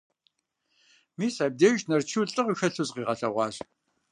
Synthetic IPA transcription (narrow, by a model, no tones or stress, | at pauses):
miːsaːb̚deːʒnɐrt͡ʃʰiwɬʼɨʁəxɐɬɨzqiːʁɐɬɐʁʷɑːɕ